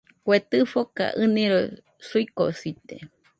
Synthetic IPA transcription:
kʷet̪ɨfoka̰ʔɨnĩɾo | suiko̰sit̪ḛ

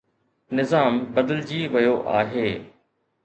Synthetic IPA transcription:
nɪzaːmbɐd̪əld͡ʑiːʋɐjoʔa̰ːɦeː

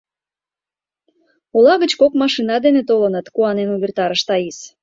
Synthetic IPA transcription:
ulɑɣət͡ɕkokmɑʃinɑd̪enet̪olənət̪kuɑnenuβʲert̪ɑɾəʃt̪ɑis

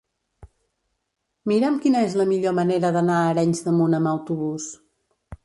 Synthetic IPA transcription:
miɾɛmkinəezləmiʎoməneɾəðənaəɾɛɲzðəmunəməwt̪uβus

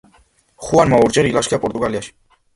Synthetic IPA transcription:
χuanmauɾt͡ʃeɾilaʃkʰijapoɾt̪uɣalijaʃ

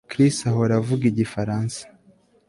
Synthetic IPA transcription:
kɾisaɦoɾavuɡiɟifaɾaːnsḁ

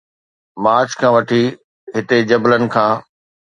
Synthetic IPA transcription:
maːɾt͡ɕkʰãːʋɐʈʰi | ɦɪt̪ed͡ʑɐblənɪ̆kʰãː

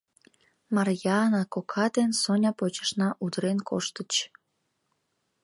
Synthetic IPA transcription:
mɑrjɑnɑkokʰɑd̪ensonʲɑpot͡ɕə̥ʃnɑʔud̪əɾenkʰo̰ʃt̪ət͡ɕ

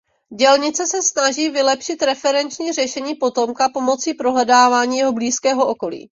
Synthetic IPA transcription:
ɟɛlɲɪt͡sɛsɛsnaʒiːvɪlɛpʃɪt̪ɾɛfɛɾɛnt͡ʃɲiːrɛʃɛɲiːpo̞t̪o̞mkapo̞mo̞t͡siːpɾo̞ɦlɛdaːvaːɲiːjɛɦo̞bliːskɛːɦo̞ʔo̞ko̞lḭː

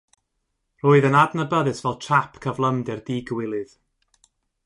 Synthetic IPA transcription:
r̥oːɨðənadnəbəðɨsvɛlˠtʰapʰkʰəvlˠəmdɪrdiːɡəwɪlˠɨð

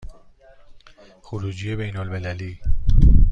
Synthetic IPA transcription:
xoɾuːd͡ʒije̞bejnolmelæliː

